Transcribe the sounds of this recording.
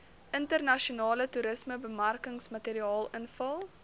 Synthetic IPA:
ʔəntərnɐʃionɑːlətuɾəsməbəmɐrkəŋsmɐteːɾiɑːlˠənfɐlˠ

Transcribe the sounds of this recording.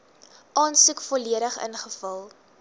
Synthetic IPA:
ʔɑːnsukfɔliəɾəχə̰nχəfɐlˠ

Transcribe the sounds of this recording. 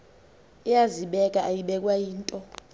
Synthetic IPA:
ɛjaziɓɛk̬ʼaʔajiɓɛk̬ʼwajiːntʼɔ

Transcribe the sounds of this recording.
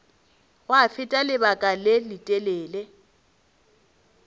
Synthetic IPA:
wafɪtʼalɪbakʼalɪlɪtʼɛleːle

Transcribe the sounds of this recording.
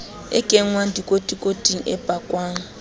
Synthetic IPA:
ɪ̰kʼeŋ̩waŋ̩dikʼotʼikʼotʼiŋ̩ɛ̰pʼakʼwaːŋ̩

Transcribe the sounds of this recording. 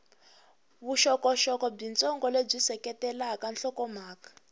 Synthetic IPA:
βuʃɔkɔʃɔkɔb͡ʐint͡sʼɔŋɡɔleb͡ʐisɛkɛtɛlaɦakanɬɔkɔm̤aːkḁ

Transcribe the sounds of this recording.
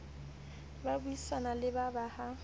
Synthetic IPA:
babuisanalɪbabaha

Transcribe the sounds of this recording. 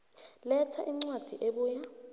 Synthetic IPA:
lɛtʰaʔiŋ͡ǀwad̥ʱiʔeɓuːja

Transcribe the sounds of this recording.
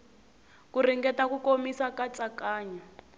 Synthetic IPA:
kuriŋɡɛtakukomisakat͡sakaːɲa

